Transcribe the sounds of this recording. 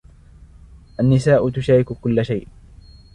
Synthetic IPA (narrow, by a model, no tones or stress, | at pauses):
ʔanːɪsaːʔʊt̪ʊʃaːɾɪkʊkʊlːaʃajʔ